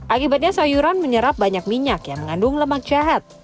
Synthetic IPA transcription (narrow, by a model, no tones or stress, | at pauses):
ʔakibat̪̚ɲasajuɾanməɲəɾap̚baɲak̚miɲakjaŋməŋandʊŋləmak̚d͡ʒaɦat̪̚